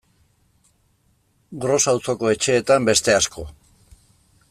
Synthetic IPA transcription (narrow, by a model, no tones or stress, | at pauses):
ɡɾo̞sawt͡so̞ko̞e̞t͡ʃe̞ːt̪ambe̞st̪e̞asko̞